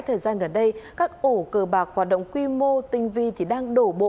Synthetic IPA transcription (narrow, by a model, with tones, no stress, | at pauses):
jt̪ʰəː˨˩jzaː˧nɣə˨˩nɗə˧jkaː˦˥k̚ʔo˧˩kəː˨˩ɓaː˨˩k̚hwaː˨˩t̚ɗə̰˧˨wŋ͡mkwi˧mo˧t̪ï˨˩ŋ̟vi˧˨t̪ʰi˨˩ɗaː˧ŋɗo˧˩ɓo̰˧˨